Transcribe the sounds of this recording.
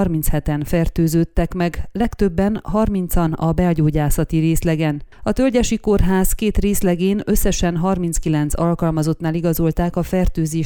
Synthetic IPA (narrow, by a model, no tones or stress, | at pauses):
rmint̪shɛt̪ɛnfɛrt̪øːzøːt̪ːɛkmɛɡlɛkt̪ø̞bːɛnɦɒrmint̪sɒnɒbɛɒɟoːɟaːsɒt̪iɾeːslɛɡɛn | ɒt̪ølɟɛʃiko̞rɦaːskeːt̪reːslɛɡeːnøsːɛʃɛnɦɒrmint̪skilɛnt̪sɒlkɒlmɒzo̞t̪naːliɡɒzolt̪aːkɒfɛrt̪øːzeː